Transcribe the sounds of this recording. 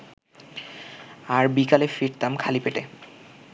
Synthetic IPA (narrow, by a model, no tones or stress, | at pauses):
aɾbikalefiɾt̪amkʰalipeʈe